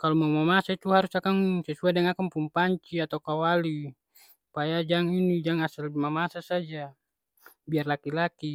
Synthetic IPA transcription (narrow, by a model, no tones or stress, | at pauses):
kalɔmamamasait̪uɦaɾusakaŋsɛsuadɛŋakaŋpuŋpaɲt͡ʃiat̪aukawali | upajad͡ʒaŋinid͡ʒaŋasalbimamasasad͡ʒa | biarlakilaki